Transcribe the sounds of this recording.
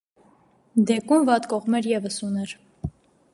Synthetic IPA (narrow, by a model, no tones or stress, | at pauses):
d̪ɛkumvɑt̪kɔʁmɛɾjɛvəsunɛɾ